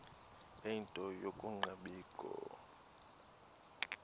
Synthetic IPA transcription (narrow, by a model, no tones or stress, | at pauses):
eintʼɔjokʼuŋ͡ǃaɓiːkʼɔ̰